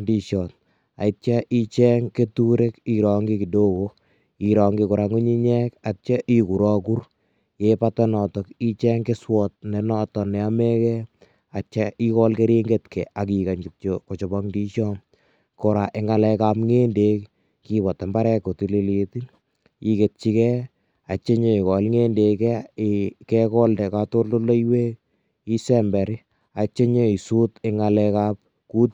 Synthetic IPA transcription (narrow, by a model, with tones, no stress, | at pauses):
ndi˧ʃɔ˨t̚ | a̰˨it͡ʃa˦ʔi˦t͡ʃɛ˦ŋke˦tuɾe˦ki˨ɾɔŋɡi˦ki˨do˦ko | iɾɔ˨ŋɡi˦ko˨ɾa˨ŋu˦ɲi˦ɲɛ˦ka˨t͡ʃa˦ʔi˦ku˨ɾɔ˦ku˦r | jepatɔnɔtɔ˨ki˦t͡ʃɛ˦ŋke˦swɔt̚ne˨nɔ˦tɔ˨nɛ˨a˦me˦kɛ | a˨t͡ʃa˦ʔi˦kɔ˦lke˦ɾi˦ŋɡetkʰɛ˨ʔa˨ki˨ka˨ɲɡup̚t͡ʃoko˨t͡ʃɔ˨bɔ˦ŋndi˦ʃɔ˦m | kɔɾa˨ʔe˨ŋa˨lɛ˧ka˦pŋe˦nde˨k | kibɔ˨tːa˨mba˦ɾɛ˦ko˨ti˨li˦liti˦ | i˨ke˨t̚t͡ʃi˦kɛ˦ | a˨t͡ʃe˦ɲo˦i˨kɔ˨lŋe˦nde˨kɛ˦kɛ˦kɔ˦ldɛ˨kato˦rdo˦lo˦iwe˦k̚ | i˦sɛ˦mbɛ˨ɾi˦ | a˨t͡ʃe˦ɲo˦i˨su˦te˦ŋa˨lɛ˧kap̚ | ku˦t